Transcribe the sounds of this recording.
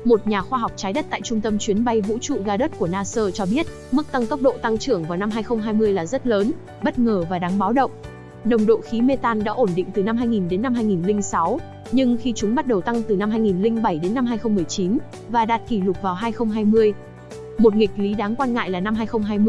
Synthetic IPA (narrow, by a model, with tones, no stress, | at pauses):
mo˨˩t̚ɲaː˨˩xwaː˧ɦa˨˩wk͡p̚t͡ɕaː˨˦jɗə˦˥t̚t̪a̰ː˧˨jt͡ɕʊ˧ŋ͡mt̪ə˧mt͡ɕwi˨˦ənɓa˧jvṵ˧˥t͡ɕṵ˧˨ɣaː˧ɗə˦˥t̚ku˧˩ənaː˧səː˧t͡ɕɔ˧ɓi˦˥ət̚ | mɨ˦˥k̚t̪a˧ŋt̪ə˦˥wk͡p̚ɗo̰˧˨t̪a˧ŋt͡ɕɨ˧˩əŋvaː˨˩wna˧mɦaː˧jxə˧wŋ͡mɦaː˧jmɨ˧əjlaː˨˩zə˦˥t̚ləː˨˦n | ɓə˦˥t̚ŋəː˨˩vaː˨˩ɗaː˨˦ŋɓaː˨˦wɗə̰˧˨wŋ͡m | ɗə˨˩wŋ͡mɗo̰˧˨xi˨˦me˧t̪aː˧nɗa̰ː˧˥ʔo˧˩nɗḭ˧˨ŋ̟t̪ɨ˨˩na˧mɦaː˧jŋi˨˩nɗe˨˦nːa˧mɦaː˧jŋi˨˩nlï˧ŋ̟sa˨˦w | ɲɨ˧ŋxi˧t͡ɕʊ˨˦ŋ͡mɓa˦˥t̚ɗə˨˩wt̪a˧ŋt̪ɨ˨˩na˧mɦaː˧jŋi˨˩nlï˧ŋ̟ɓə˧˩jɗe˨˦nːa˧mhɦaː˧jxə˧ŋ͡mmɨ˨˩əjt͡ɕi˨˦n | vaː˨˩ɗaː˨˩t̚ki˧˩lʊ˨˩k͡p̚vaː˨˩wɦaː˧jxə˧wŋ͡mɦaː˧jmɨ˧əj | mo˨˩t̚ŋï˨˩k̚li˨˦ɗaː˨˦ŋkwaː˧nŋa̰ː˧˨jlaː˨˩na˧mɦaː˧jxə˧wŋ͡mɦaː˧jm˧